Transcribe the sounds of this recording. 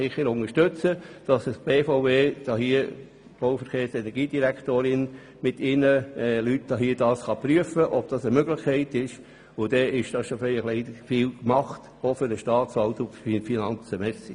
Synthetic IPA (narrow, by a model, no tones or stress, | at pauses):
ɪχəɾʊŋəʃtøt͡səd̥ɑssb̥eːfoʊveːd̥ɑhiːə | b̥oʊfəɾχeːɾsɛnɛɾɡiːd̥iɾæktoːɾɪn | mɪtʰɪnəɛlytd̥ɑɦiːd̥ɑːsχɑpɾyəfəʔɔb̥̚d̥ɑsəmøɡlɪχkʰɛɪtɪʃ | ʊd̥̪ɛɪʃd̥ɑsʃofɛɪχlɛɪdəfiːlkmɑχt | ofʏɾdəʃtɑːtsɑltʊfinɑnt͡səmɛsi